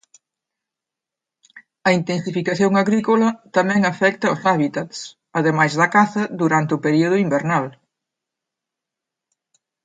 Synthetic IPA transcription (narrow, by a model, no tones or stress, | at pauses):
ɐint̪ensifikaθjoŋaɣɾikolɐt̪amɛ̃ŋafɛkt̪ɐʊsaβit̪at̪s | ɐðemajzðɐkaθɐðuɾant̪eʊpeɾioð̞ʊimbeɾnal